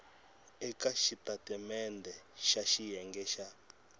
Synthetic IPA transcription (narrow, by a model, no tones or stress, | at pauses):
ɛkaʃitʼatʼɛmɛndʱɛʃaʃijɛŋɡɛʃa